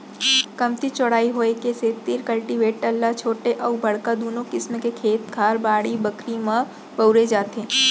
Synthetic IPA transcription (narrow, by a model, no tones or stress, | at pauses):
kɐmt̪it͡ʃɔɽ̤aːiɦoːekeseːt̪ɪɾkɐlʈɪʋeːʈːɐlːat͡ʃʰoːʈeʔɔːbɐɽkad̪oːnõkɪsmekekʰeːt̪ɡʱaːɾbaːɽibɐkʰɾimã | bɐʊɾed͡ʒaːt̪ẽː